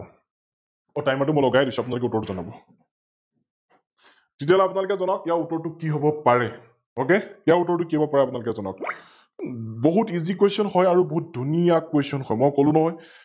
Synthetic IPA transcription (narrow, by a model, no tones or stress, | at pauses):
otajmatʊmɔjlɔɡajdisuapʊnalʊkɛutɔɹtuzɔnabɔ | titiɛlapʊnalʊkɛzɔnɔkijautɔɹtʊkiɦobɔpaɹɛ | okeijautɔɹtʊkiɦɔbɔpaɹɛapʊnalukɛzɔnɔ̰k̚ | boɦutizikwesɔnɦɔjaɹuboɦut̚dʱunijakwesiɔnxɔjmɔjkolʊ̃nɔɦɔj